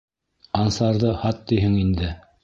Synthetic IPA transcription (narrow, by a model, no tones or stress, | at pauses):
ɑnsɑɾðɤhɑt̪ːijɦɘŋind̪ɘ